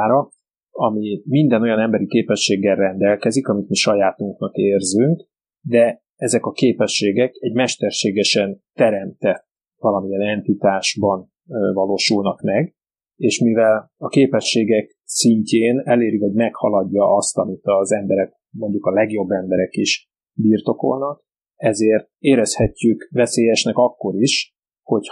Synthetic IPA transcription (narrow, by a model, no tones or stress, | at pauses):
ɾɒ | ɒmimind̪ɛno̞jɒnɛmbɛɾikeːpɛʃːeːɡːɛrrɛnd̪ɛlkɛzikɒmit̪miʃɒjaːt̪uŋknɒkeːrzyŋk | d̪ɛ | ɛzɛkɒkeːpɛʃːeːɡɛkɛɟmɛʃt̪ɛrʃeːɡɛʃɛnt̪ɛɾɛmt̪ɛ | vɒlɒmijɛnɛnt̪it̪aːʒbɒn | vɒloːʃulnɒkmɛɡ | eːʃmivɛlɒkeːpɛʃːeːɡɛk | siɲceːnɛleːɾiho̞ɟmɛkhɒlɒɟːɒʔɒst̪ɒmit̪ɒzɛmbɛɾɛk̚ | mo̞ɲɟukɒlɛɡjo̞bːɛmbɛɾɛkiʃ | biːrt̪o̞ko̞̰lnɒk | ɛzeːrt̪̚eːɾɛshɛcːykvɛseːjɛʃnɛkɒkːo̞ɾiʃ | ho̞c